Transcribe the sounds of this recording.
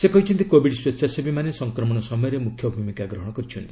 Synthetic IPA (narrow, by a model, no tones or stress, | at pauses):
sekɔĩt͡ʃʰint̪ikobiɽswesʰasebimanesɔŋkɾɔmɔɽ̃ɔsɔmɔjɔɾemukʰjɔbʱumikaɡɾɔɦɔɽ̃ɔkɔɾit͡ʃʰunt̪ii̥